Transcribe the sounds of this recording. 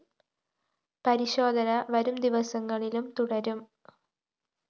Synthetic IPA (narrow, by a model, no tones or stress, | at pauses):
pɐɾiɕo̞ːd̪ʱɐnɐʋɐɾumd̪iʋɐsɐŋːɐɭilumt̪uɽɐɾum